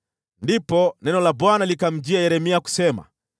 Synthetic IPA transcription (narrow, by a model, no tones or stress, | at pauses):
ndipɔnɛnɔlabwanalikam̩d͡ʒiajɛɾɛmiaku̥sɛma̰